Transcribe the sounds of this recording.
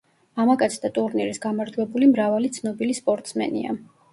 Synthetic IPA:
amakʼat̪sʰd̪at̪ʼuɾniɾisɡamaɾd͡ʒwɛbulimɾavalit̪sʰnɔbilispʼɔɾt̪ʼsmɛ̰nḭa̰

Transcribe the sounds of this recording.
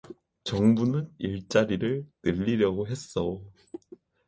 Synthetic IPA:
t͡ɕʌŋbunɯniɭt͡ɕ͈aɾiɾɯɭnɯʎːiɾjʌɡoɦe̞s͈ʌ

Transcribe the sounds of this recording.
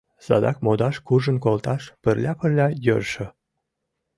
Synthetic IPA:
sɑ̰d̪ɑk̚mod̪ɑʃkuʒənkolt̪ɑʃpərlʲɑpərlʲɑjørʃə̆

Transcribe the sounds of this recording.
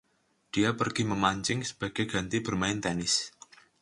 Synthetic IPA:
d̥iapərɡ̥iməmaɲt͡ʃɪŋsə̥b̥a̤ɡ̥eɡ̥a̤nt̪ib̥ərmaɪnt̪ɛnɪs

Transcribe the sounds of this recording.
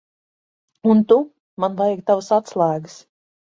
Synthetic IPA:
unt̪u | manvajɡ̚t̪avasat̪slˠæːɡɨs

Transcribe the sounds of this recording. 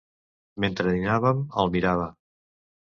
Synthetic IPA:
ment̪ɾəðinaβəməlˠmiɾaβə

